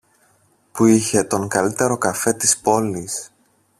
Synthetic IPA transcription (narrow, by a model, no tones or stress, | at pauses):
puiçe̞t̪o̞ŋkɐlit̪e̞ɾo̞kɐfe̞t̪ispo̞lis